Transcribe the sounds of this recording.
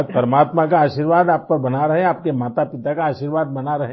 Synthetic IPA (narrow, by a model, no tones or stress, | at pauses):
d͡ʒpɐɾəmaːt̪mak̬aaːʃiːɾʋaːd̪aːp̚pɐɾbɐnaɾɐɦẽaːp̚kemaːt̪apɪt̪akaaːʃiːɾʋaːd̪̚bɐnaɾɐɦẽ